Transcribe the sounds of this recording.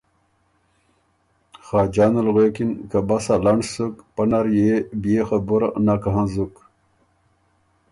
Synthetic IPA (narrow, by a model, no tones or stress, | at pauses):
xaːd͡ʑaːnɐlɣeːkinkabasalaɳsukpɐnaɾjebijexabuɾnakaɦãzuk